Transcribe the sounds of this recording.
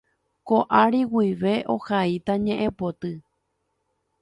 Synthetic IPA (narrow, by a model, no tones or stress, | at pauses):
koʔaɾiwiʋe̞ʔo̰hait̪aɲẽ̞ʔẽpot̪ɨ